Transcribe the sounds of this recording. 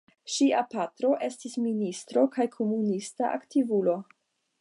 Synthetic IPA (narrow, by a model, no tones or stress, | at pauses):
ʃiapatɾo̞ʔe̞stisministɾo̞kʰajkʰo̞munistaʔa̰ktivulo̞